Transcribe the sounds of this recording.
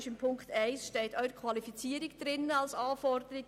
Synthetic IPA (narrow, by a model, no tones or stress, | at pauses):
ɪʃɪmpʰʊŋktʰɛɪsʃtɛɪtʰœʏɾəkʰʋɑlifit͡siːəɾɪɡd̥ɾɪnəɑlsɑːfɔrdəɾɪɡ